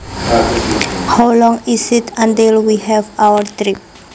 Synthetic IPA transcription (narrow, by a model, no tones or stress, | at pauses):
hawlɔ̃ŋisitãntilwihɛvawəɾt̪ɾip̚